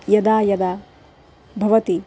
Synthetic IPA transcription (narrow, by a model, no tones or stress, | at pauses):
jɐd̪aːjɐd̪aː | bʱɐʋɐt̪i